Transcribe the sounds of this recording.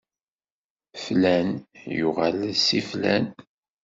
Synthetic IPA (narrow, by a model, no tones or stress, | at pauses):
flænjʊʁalsiflæ̰n